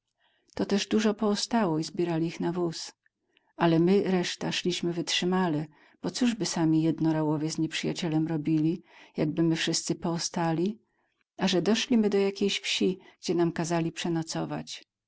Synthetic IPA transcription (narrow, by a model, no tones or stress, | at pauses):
t̪ɔt̪ɛʐd̪uʐɔpɔɔst̪awɔizbʲjɛɾalʲiixnavus | ʔalɛmɘɾɛʂt̪aʂlʲiɕmɘvɘtʂɘmalɛ | b̥ɔt̪suʐbɘsamʲijɛd̪nɔɾawɔvʲjɛzɲɛpʂɘjat͡ɕɛlɛmɾɔbʲilʲijaɡ̚bɘmɘfʂɘst̪sɘpɔɔst̪alʲi | aʐɛd̪ɔʂlʲimɘd̪ɔjakʲejɕfɕiɡ̥d͡ʑɛnamkazalʲipʂɛnɔt̪sɔva̰t͡ɕ